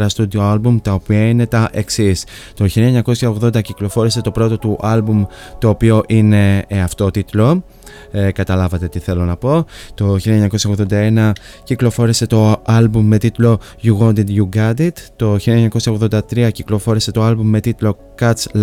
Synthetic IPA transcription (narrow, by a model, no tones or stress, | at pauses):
ɾɐst̪ud̪ioɐlbumt̪ɐopiɐine̞t̪ɐʔe̞ksis | t̪o̞çilɐeɲɐko̞sçɐo̞ɣðo̞nd̪ɐciklo̞fo̞ɾise̞t̪o̞pɾo̞t̪o̞t̪uʔɐlbumt̪o̞ːpio̞ʔine̞ːɐft̪o̞t̪it̪lo̞ | kɐt̪ɐlɐvɐt̪e̞t̪iθe̞lo̞nɐpo̞t̪o̞çilieɲɐko̞sçɐoɣðo̞nd̪ɐe̞nɐ | ciklo̞fo̞ɾise̞t̪o̞ɐlbumːe̞t̪it̪lo̞ | ʝuɣond̪id̪juɡɐd̪it̪t̪ːo̞çileɲɐko̞sçɐoðo̞nd̪ɐt̪ɾiɐciklo̞fo̞ɾise̞t̪o̞ɐlbumːe̞t̪it̪lo̞ | kɐt̪t͡sl